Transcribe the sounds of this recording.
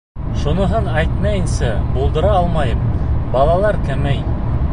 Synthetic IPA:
ʃunɤ̆ɦɤnæjt̪mæjɘ̆nsæbulˠd̪ɤ̆ɾɑɑlˠmɑjɤmbɑlˠɑlˠɑɾkæmæj

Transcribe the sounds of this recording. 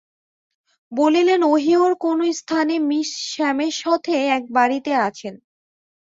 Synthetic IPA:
bolilenoɦioɾkonost̪ʰanemiʃʃɛmeɾʃɔt̪ʰeɛk̚baɾit̪eat͡ɕʰen

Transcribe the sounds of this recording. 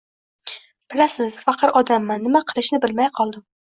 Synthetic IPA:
b̥ɪlasɪz̥fɑqʰɨɾɒd̪amːanːɪmaqʰɨlˠɪʃnɪbɪlmajqʰɒlˠd̪ɪm

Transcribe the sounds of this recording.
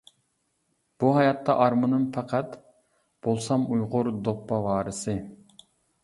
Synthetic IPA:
b̥uɦɑjɑt̪ʰːɑʔɑɾmɨnɨŋfʰæqʰæt̪ | b̥olˠsɑmujʁʊɾd̪oχ̚pɑwɑːɾɨsɨ

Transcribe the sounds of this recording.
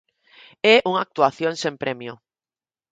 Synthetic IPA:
ɛʔuŋak̚t̪uaθjoŋsẽmpɾɛmjʊ

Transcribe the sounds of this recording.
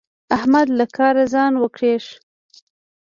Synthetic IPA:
ahmad̪lakʰɑɾazɑnwəkɽeʂ

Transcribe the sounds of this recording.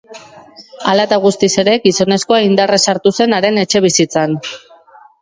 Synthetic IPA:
alat̪aɣ̞ust̪ise̞ɾe̞ɡiso̞ne̞sko̞aind̪aresaɾt̪use̞naɾe̞ne̞t͡ʃe̞β̞isit͡san

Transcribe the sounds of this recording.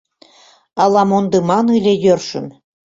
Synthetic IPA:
ɑlˠɑmond̪ɤmɑnɯlʲejørʃə̆m

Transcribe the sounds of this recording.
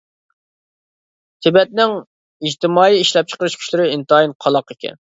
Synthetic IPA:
t̪ʰɪbɛt̪̚nɪŋ | id͡ʒt̪ʰɪmɑːiiʃlɛp̚t͡ʃʰə̥qəɾyʃkʲʰy̥ʃʲlɪɾɪint̪ɨinqʰɑlˠɑqɪkʲʰɛ̰n

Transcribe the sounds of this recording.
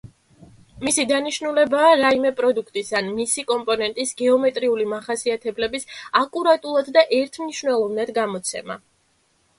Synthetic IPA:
misid̪aniʃnulɛbaːɾaimɛpʼɾɔd̪ukʰt̪ʼisanmisikʼɔmpʼɔnɛnt̪ʼisɡɛɔmɛt̪ʼɾiulimaχasiat̪ʰɛblɛbisakʼuɾat̪ʼulˠad̪d̪aʔɛɾt̪ʰmniʃvnɛlˠɔvnad̪ɡamɔt̪sʰɛ̰ma̰

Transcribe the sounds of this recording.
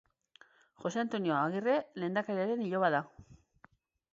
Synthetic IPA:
xo̞se̞ant̪o̞nio̞aɣire̞le̞ːnd̪akaɾeaɾe̞niʎo̞βaða

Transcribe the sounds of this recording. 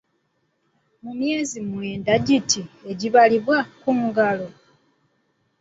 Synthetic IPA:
mumje̞ːzimweːndaɟitʰie̞ɟiβaliβwakumuɡalo̞

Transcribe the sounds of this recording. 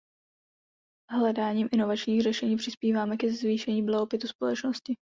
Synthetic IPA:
ɦlɛdaːɲiːmʔɪno̞vat͡ʃɲiːxrɛʃɛɲiːpr̝̥ɪspiːvaːmɛkɛzviːʃɛɲiːblaɦopɪt̪uspo̞lɛt͡ʃnoscɪ

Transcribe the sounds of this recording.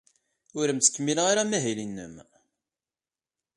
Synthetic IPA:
ʊɾəmt͡sːə̥kːəmːilʁaɾamæɦilinːə̰m

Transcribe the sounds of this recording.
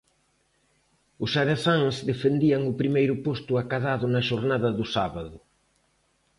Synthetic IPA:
ʊsaðeθaŋsðefend̪iɐŋʊpɾimejɾʊpost̪ʊakaðaðʊnɐʃoɾnaðɐðʊsaβɐðʊ

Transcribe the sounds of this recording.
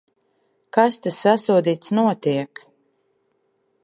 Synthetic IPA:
kast̪asːasuɔd̪iːt̪snuɔt̪iɛk

